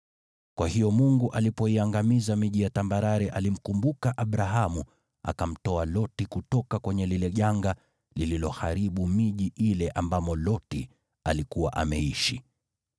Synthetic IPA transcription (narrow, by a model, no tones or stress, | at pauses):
kwahijɔmuŋɡuʔalipɔiaŋɡamizamiʄijatambaɾaɾɛʔalim̩kumbukaʔaɓɾaɦamu | a̰kam̩tɔalɔtikutɔkakwɛɲɛlilɛʄaŋɡa | lililɔhaɾiɓumiʄiʔilɛʔambamɔlɔti | alikuwa̰ʔamɛiʃi